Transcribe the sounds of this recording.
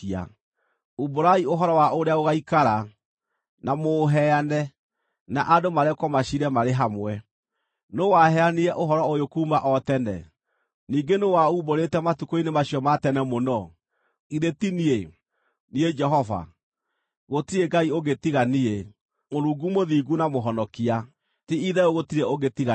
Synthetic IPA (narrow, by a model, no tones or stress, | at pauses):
a̰ | uboɾaioɦɔɾɔwaʔoɾeaoɣaikaɾa | namoːɦɛanɛ | naʔadomaɾɛkɔmaɕiɾɛmaɾeɦamwɛ | nowaɦɛaniɛʔoɦɔɾɔojokuːmaʔɔtɛnɛ̰ | niːɡenowauːboɾetɛmatukoinemaɕiɔmatɛnɛmonɔ | iɾetinie | nied͡ʒɛɦɔva̰ | ɣotiɾeɡaioɣetiɣanie | moɾuːɡumoðiɡunamoɦɔnɔkia | tiiðɛoɣotiɾɛoɣetiɣa